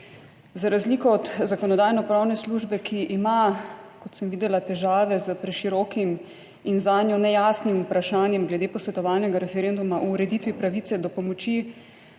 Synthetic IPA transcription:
zaɾazliːkɔɔd̪zakɔnɔd̪aːjnɔpɾaːwnɛsluːʒbɛkʰiʔimakɔt̪səmʋiːd̪ɛlat̪ɛʒaːʋɛzəpɾɛʃiɾɔkim | inzaːnjɔnɛjasnimupɾaʃaːnjɛmɡlɛd̪eːpɔsʋɛt̪ɔʋaːlnɛɡaɾɛfɛɾend̪umaʔuːɾɛd̪it̪ʋipɾaʋiːt̪sɛd̪ɔpɔmɔt͡ʃi

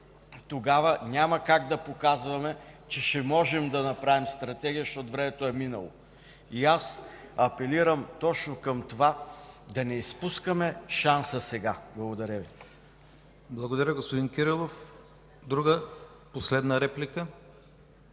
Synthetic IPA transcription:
t̪oɡavənʲamɐkaɡd̪ɐpokazvɐmɛt͡ʃɛʃɛmɔʒɛmd̪ɐnɐpɾavimst̪ɾɐt̪ɛɡʲijəʃt̪ɔt̪ʊvɾɛmɛt̪oɛminə̰lˠo̰ | iasɐpɛliɾəmt̪ɔt͡ʃnokəmt̪ovad̪ɐnɛispuskɐmɛʃansəsɛɡablˠɐɡod̪ɐɾʲəvi | blˠɐɡod̪ɐɾʲəɡospod̪inkʲiɾilˠof | d̪ɾuɡə | poslɛd̪nəɾɛplikə

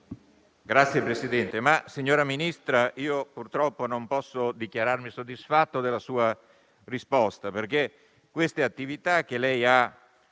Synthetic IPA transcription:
ɡɾat̪sːjepɾesid̪ɛnt̪emasiɲːoːɾaminist̪ɾaʔiːopurt̪ɾɔpːonompɔsːod̪ikjaɾarmisod̪ːisfat̪ːod̪elːasuːa | rispɔst̪aperk̟e | kːwest̪eat̪ːivit̪ak̟ːelɛja

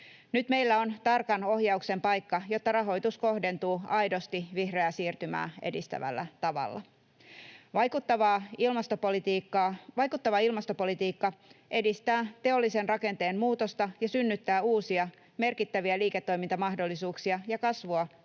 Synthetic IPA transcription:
nyt̪me̞ilːæo̞nt̪ɑrkɑno̞hjɑukse̞mpɑjkːɑjo̞t̪ːɑɾɑɦo̞jt̪usko̞hde̞nt̪uːɑjdo̞st̪iʋihre̞æsiːrt̪ymæ̰ːe̞dist̪æ̰ʋæ̰lːæ̰t̪ɑʋɑ̰lːɑ̰ | ʋɑjkut̪ːɑʋɑːilmɑst̪opolit̪iːkːɑːʋɑjkut̪ːɑʋɑilmɑst̪opo̞lit̪iːkːɑʔe̞dist̪æːt̪e̞o̞lːisenrɑke̞nt̪e̞ːnmuːt̪o̞st̪ɑjɑsynːyt̪ːæːuːsiɑ | me̞rkit̪ːæʋiæliːket̪ːo̞jmint̪ɑmɑɦhdo̞lːisuːksiɑjɑkɑsʋoɑ

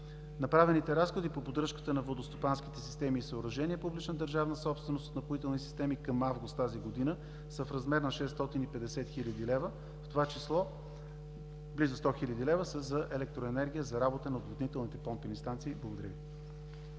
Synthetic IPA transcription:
nɐpɾavɛnit̪ɛɾasxod̪ipopod̪ɾɤʃkə̥t̪ənɐvlˠəd̪ost̪opansk̟it̪ɛsi̥st̪ɛmiːsəoːɾɐʒɛniɛpublit͡ʃnəd̪əɾʒavnəsɔpst̪vɛnosot̪nɐpoit̪ɛlˠnisi̥st̪ɛmikəmavɡʊst̪t̪aziɡod̪inə | səfɾɐzmɛɾnɐʃɛst̪ɔt̪inipɛd̪ɛsɛt̪xilʲəd̪ilɛvə | ft̪ovat͡ʃislˠɔ | blizʊst̪ɔxilʲəd̪ilɛvəsəzɐʔɛlɛk̚t̪ɾoɛnɛɾɡʲijəzɐɾabot̪ənɐod̪vod̪nit̪ɛlˠnit̪ɛpɔmpilʲist̪ant̪siːblˠəɡod̪ɐɾʲvi

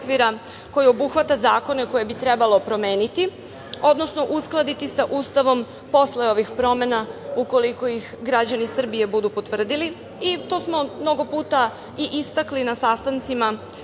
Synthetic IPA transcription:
kʋiɾa | ko̞jio̞buxʋat̪azaːko̞ne̞ko̞je̞bit̪ɾe̞balo̞pɾo̞me̞ːnit̪i | o̞d̪no̞sno̞ʔusklˠad̪it̪isaʔuːst̪aʋo̞m | po̞sleo̞ʋixpɾo̞me̞nauko̞liko̞jixɡɾad͡ʑanisr̩bije̞bud̪upo̞t̪ʋr̩d̪ili | it̪o̞smo̞mno̞ɡo̞puːt̪a | iʔist̪aklinasast̪ant̪sima

